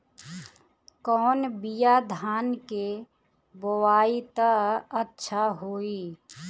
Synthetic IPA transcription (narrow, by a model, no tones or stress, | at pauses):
kɔːnbijad̪ʱaːnke | bowaːit̪əətːʃʰaɦoːi